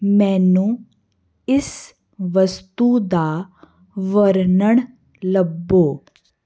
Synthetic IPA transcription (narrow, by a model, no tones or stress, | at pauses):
mɛ̃ːnũː | ɪs | ʋəst̪ud̪aː | ʋəɾnəɳ̃ | ləbːoː